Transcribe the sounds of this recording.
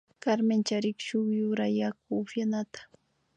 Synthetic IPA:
kaɾment͡ʃaɾɪkʃʊŋjʊɾajak̚ʊːfjanat̪ḁ

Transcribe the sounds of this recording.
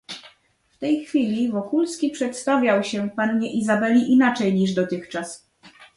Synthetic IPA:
ft̪ɛjxfʲilʲivɔkulskʲipʂɛt̪st̪avʲjawɕɛpanɲɛʔizabɛlʲiʔinat͡ʂɛjɲiʐd̪ɔt̪ɘxt͡ʂas

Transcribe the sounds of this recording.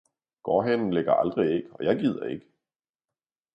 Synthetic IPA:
ɡ̥ɒːɦenn̩leɡ̥ɐʔɑ̈ld̥ʁie̝ɡ̥əɒ̽jɑ̈ɪɡ̥ið̞̰ˠɐe̝ɡ̥ə

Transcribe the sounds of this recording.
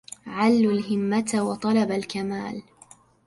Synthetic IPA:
ʕalːʊlɦɪmːat̪wɑt̪ˤɑlɑbalkamaːl

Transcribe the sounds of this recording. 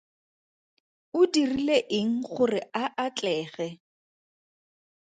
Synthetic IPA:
ʊdirileʔɪŋ̩χʊrɪaʔat͡ɬʼɛːɣɛ

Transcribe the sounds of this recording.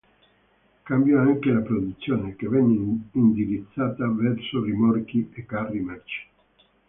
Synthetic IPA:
kambjɔaŋkelapɾod̪ut̪sːjoːnekevɛnːeind̪iɾit̪sːaːt̪avɛɾsorimɔrkiekːarːimat͡ʃi̥

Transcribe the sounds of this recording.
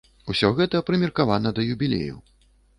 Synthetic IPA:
usʲɔɣɛt̪ɐpɾɨmʲirkavanɐd̪ɐjubʲilʲḛjṵ

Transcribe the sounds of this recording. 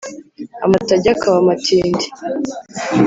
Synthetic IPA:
a̰mataɟakʰaβamatʰiːndi

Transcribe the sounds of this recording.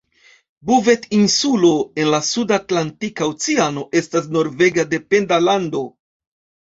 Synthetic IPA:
buve̞tinsulo̞e̞nlasudatlantikaut͡siano̞ʔe̞stas̬no̞ɾve̞ɡade̞pe̞ndalando̞

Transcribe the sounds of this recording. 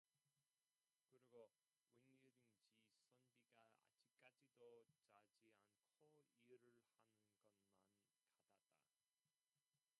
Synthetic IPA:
kɯɾiɡo | weŋːuɾind͡ʑisʌnbiɡaa̰d͡ʑik̚k͈ad͡ʑidot͡ɕad͡ʑiankʰoiɯɾɯɭhanɯnɡʌnman | kadad͈a̰

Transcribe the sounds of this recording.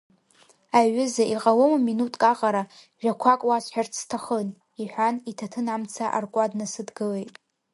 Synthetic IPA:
aɥʏzaʔiqʼalomaminutʼkʼaqʼaɾa | ʒʷᶣakʷʰakʼwaʃʷħart͡sʰtʰaχən | iħʷᶣanitʰatʰɨnamt͡sʰaʔa̰rkʷʼadnasɨdɡɨle̞jtʼ

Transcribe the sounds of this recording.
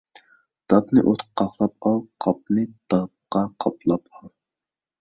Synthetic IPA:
d̪̥ɑpnɨʔot̪qə̥qʰːɑχlˠɑp̚ɑlˠqʰɑp̚nɨd̪̥ɑp̚qɑqʰɑplˠɑpɑlˠ

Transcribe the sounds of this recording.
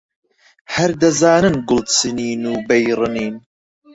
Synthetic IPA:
hɐɾd̪ɐzaːnɨnɡʊlsɨniːnuːbejɾɨniːn

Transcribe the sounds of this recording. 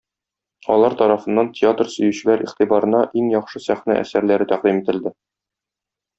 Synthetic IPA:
ɒlˠɑɾt̪ɒɾɑfɤ̆nːɑntʲʰɪat̪rsɵ̆jɘ̆ɕɘ̆læɾʔiχt̪ibɑɾɤ̆nɑʔiŋjɒχʃɤsæχnæ̰ʔæ̰sæɾlæɾɘt̪æq̚d̪imit̪ɘ̆ld̪ɘ

